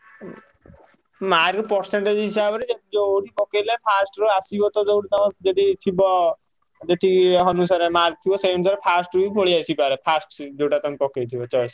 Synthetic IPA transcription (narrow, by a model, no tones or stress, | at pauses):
maɾkpɔɾseɳʈed͡ʒɦisabɔɾid͡ʒed̪id͡ʒowɽipɔkelepʰasʈɾuasibɔt̪ɔd͡ʒowɽit̪ɔmd͡ʒed̪it̪ʰibɔ | d͡ʒet̪ʰiɦɔnus̬aɾemaɾk̚t̪ʰibɔseɳsɔɾepʰasʈɾubibʱoɭiasipaɾepʰasʈd͡ʒowʈat̪ɔŋpɔkejt̪ʰibɔt͡ʃɔs